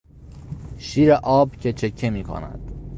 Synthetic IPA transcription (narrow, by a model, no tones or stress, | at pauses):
ʃiːɾeʔɒːbcʰe̞t͡ʃʰe̞cʰːemiːkʰo̰næ̰d̪̥